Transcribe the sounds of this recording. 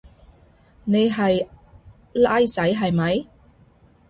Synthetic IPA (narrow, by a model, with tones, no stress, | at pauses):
ne˨˧jɦɐ˨j | laː˥jt͡sɐ˨˥jɦɐ˨jmɐ˨˥j